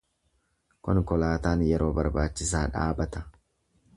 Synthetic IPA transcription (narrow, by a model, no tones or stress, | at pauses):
kɔnkɔlaːt̪aːnjɛɾʔo̞ːbɐɾbaːt͡ʃːɪsaːᶑa̰ːbɐt̪ɐ̥